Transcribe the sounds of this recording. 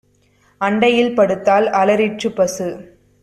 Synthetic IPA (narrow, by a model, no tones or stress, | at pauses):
ɐɳɖɐjɪlpɐɽɯt̪ːaːlɐlɐɾɪʈ̚t͡ʃːɯpːɐsɯ